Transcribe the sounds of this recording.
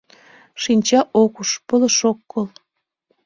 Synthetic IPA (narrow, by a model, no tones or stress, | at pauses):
ʃinʲt͡ɕɑʔokuʃpələʃokːɤl